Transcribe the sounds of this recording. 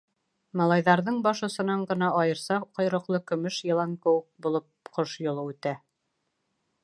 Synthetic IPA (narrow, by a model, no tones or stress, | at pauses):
mɑlˠɑjðɑɾðɤɴbɑʃŏsɤ̆nɑɴɢɤ̆nɑʔɑjɤ̆ɾsɑqŏjɾŏqlˠɤkɵ̆mɵʃjɤ̆lˠɑŋkɵ̆wɘk̚bulˠɤp̚qʰoʃjŏlˠɤʉt̪æ